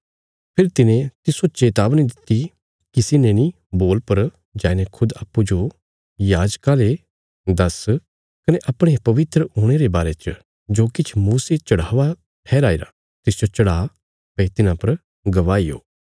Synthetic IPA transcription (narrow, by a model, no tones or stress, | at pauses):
pʰɪɾt̪ɪnẽt̪ɪsot͡ʃeːt̪aːbñid̪ɪt̪ːi | kɪsɪneni | boːlpɐɾ | d͡ʒaːnekʰʊd̪a̰ːpːud͡ʒo | jaːd͡ʒkale | d̪ɐs | kɐneʔɐpɽ̃epɐʋɪt̪ɾəɦoːɽ̃eɾebaːɾet͡ʃ | d͡ʒoːkɪt͡ʃʰmuːset͡ʃɐɽ̤aːʋa | pʰɛːɾaːiɾa̰ | t̪ɪsd͡ʒot͡ʃɐɽaː | pɛ̃t̪ɪnãpɐɾ | ɡɐʋaːijo̰ː